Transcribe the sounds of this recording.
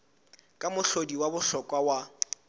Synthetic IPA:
kʼamʊɬodiwabʊɬɔkʼwawa

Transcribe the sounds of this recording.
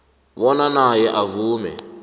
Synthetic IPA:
βɔnanajɛʔavuːmɛ̰

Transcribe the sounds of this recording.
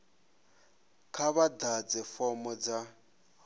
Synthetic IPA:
kʰaβad̪ad͡zɛfɔmɔd͡za

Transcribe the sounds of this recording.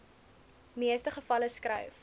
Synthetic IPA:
miəstəχəfɐləskrœ̰ɥf

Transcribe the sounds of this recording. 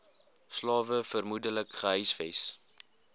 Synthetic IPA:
slɑːvəfərmudələkχəɦœjsfɛjs

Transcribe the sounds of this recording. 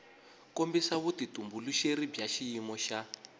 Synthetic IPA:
kombisaβutitumbuluʃeɾibjaʃijimɔʃa

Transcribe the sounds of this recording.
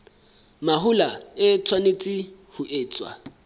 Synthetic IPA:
maɦʊlaɪt͡sʰwanet͡sʼɪhʊʔeːt͡sʼwa̰

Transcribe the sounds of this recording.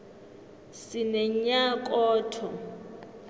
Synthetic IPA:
sɪnɛɲ̩ɲakʼɔːtʰɔ

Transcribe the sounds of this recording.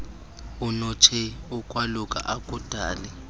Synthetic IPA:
unut͡ʃʰɛukʼwalukʼa̰ʔakʼud̥ʱaːlɛ

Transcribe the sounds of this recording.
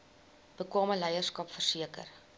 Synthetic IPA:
b̥əkwɑːməlɛjərskɐpfərsiəkə̰r

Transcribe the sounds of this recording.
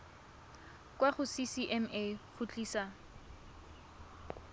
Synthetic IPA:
kwaχʊsisiʔɛmeχʊt͡ɬʼiːsa

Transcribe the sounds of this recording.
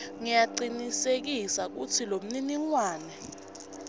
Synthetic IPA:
ŋijaǃinisek̬isak̬ut͡sʰilom̩niniŋwaːnɛ

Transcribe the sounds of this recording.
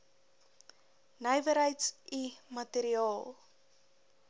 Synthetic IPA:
nəjvəɾɦəjtsimɐteɾiɑːlˠ

